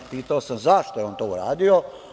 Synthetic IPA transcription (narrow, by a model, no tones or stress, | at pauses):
piːt̪aosamzaʃt̪oeoːnt̪oːuɾaːd̪io